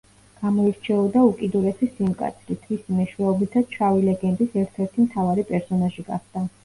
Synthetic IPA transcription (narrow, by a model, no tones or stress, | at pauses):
ɡ̥amɔiɾt͡ʃʰɛɔd̪aukʼid̪uɾɛsisimkʼa̰t̪sʰɾit̪ʰmisimɛʃwɛɔbit̪ʰat͡ʃʰavilɛɡɛnd̪isɛɾt̪ʰɛɾt̪ʰimt̪ʰavaɾipʼɛɾsɔnaʒiɡa̰χd̪̥a